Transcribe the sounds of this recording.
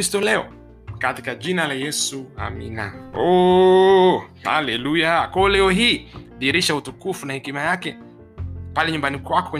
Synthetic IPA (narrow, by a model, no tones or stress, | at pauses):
istɔlɛɔ̰ | kati̥kaʄinalajɛsua̰mḭna̰ɔ | ha̰lɛlujakwalɛɔɦiːɗiɾiʃautukufunahɛkimajakɛ | palɛɲumbanikwakɔ̥kwɛ